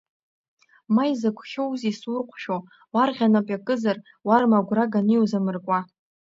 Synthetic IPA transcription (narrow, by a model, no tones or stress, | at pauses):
majzakʷʰχʲowzisʊrqʷʰʃo | warʁʲanapʼjakʼɨzar | warmaɡʷraɡaniwzamɨrkʷʼa